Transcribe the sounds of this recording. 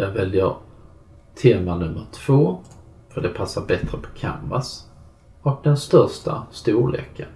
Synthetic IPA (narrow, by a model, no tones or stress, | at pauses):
jɑːɡvɛljəɾ | t̪ʰeːmanɵmːəɾʈ̪ʰv̥oː | fœɖɛpʰasːaɾbɛt̪ɾəpʰɔ̥kʰa̰mːas | ɔk̚d̪ɛnst̪œɾʂʈa̰st̪uːɭḛːkːən